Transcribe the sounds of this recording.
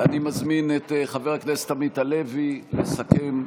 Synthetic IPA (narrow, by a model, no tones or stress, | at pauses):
animazminetχaveʁaknese̥t̪amitalevilesakem